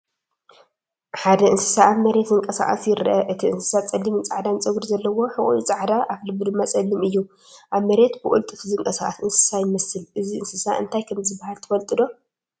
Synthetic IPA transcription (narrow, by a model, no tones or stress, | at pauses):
ħad̪ɐɨnsɨ̥saːβmɐɾe̞t̪zɨŋkʼɐsa̰χʼa̰sjɪɾʔɐʔɨt̪ʰiɨnsɨ̥sat͡sʼɐlːimɨnt͡sʼaʕd̪ant͡sʼɐɡɾzɐlːɐwo̞ħɨʔuit͡sʼaʕd̪aʔaflɨbud̪ɨmːat͡sʼɐlːimɨjːu | ʔaβmɐɾe̞t̪bɨʔʼṵlt̪ʼɨfɨzɨŋkʼɐsaχʼa̰sɨnsɨ̥sajɪmɐsɨlʔɨziɨnsɨsaɨ̰nt̪ʰajkʰɐmzɨbːahalt̪ʰɨfɐlt̪ʼɨd̪o̞